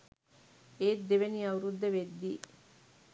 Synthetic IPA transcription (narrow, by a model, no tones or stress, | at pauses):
eːd̪ːeʋeniɐuɾud̪ːɐʋed̪ːiː